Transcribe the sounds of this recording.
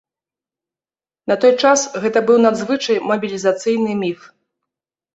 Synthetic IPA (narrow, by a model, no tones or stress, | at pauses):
nɐt̪ɔjt͡ʂasɣɛt̪ɐbɨwnad̪zvɨt͡ʂɐjmɐbʲilʲizat̪sɨjnɨmʲif